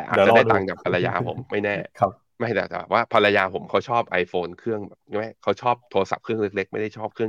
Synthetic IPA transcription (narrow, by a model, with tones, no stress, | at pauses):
tɛː˨˩ʔaː˨tt͡ɕda˧˩t̪aː˨˩ŋka˨˩kpʰːa˧lːa˧ja̰ː˧pʰo̰˩˦mːa˥˩jnɛː˥˩˧ | ma˥˩jt̪ɛ̰ː˨˩k̪ːwaː˥˩pʰa˧la˧jaː˧pʰo˩˦mkʰa˦˥wt͡ɕʰɔː˥˩p̚ʔa˧jfoː˧nkʰɯ˥˩əŋbɛ̰ː˨˩p̚ʰma˦˥˩kʰa˦˥wt͡ɕʰɔː˥˩p̚t̪ʰoː˧sa̰˨˩p̚kʰɯ˥˩əŋle˦˥k̚le˦˥k̚ma˥˩jda˥˩jt͡ɕʰɔː˥˩p̚kʰɯ˥˩əŋ